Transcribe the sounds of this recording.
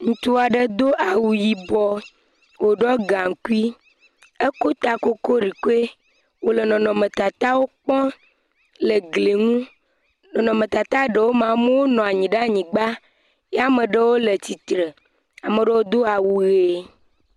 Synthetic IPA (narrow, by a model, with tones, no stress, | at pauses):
ŋũ˨t̪u˦a˨ɖə˦d̪o˦ʔa˨wu˨ji˨bɔ˦ | wo˨ɖɔ˦ɡã˨ŋ̩˨ku˦i˦ | ə˦ko˦t̪a˨ko˦ko˦ɾi˨ko˦e˦ | wo˨lə˨nɔ̃˨nɔ̃˨mə̃˨t̪a˨t̪a˦wo˦k͡pɔ̃˦ | lə˨ɡle˨ŋũ˦ | nɔ̃˨nɔ̃˨mə̃˨t̪a˨t̪a˦ɖə˨wo˦mã˨mə˦wo˦nɔ̃˨a˨ɲĩ˨ɖe˦a˦˨ɲĩ˨ɡ͡ba˦ | ja˦mə̃˨ɖə˦wo˦lə˨t͡ɕi˨t̪ɾə˨ | a˨mə˨ɖə˦wo˦d̪o˦a˨wu˨ɣe˨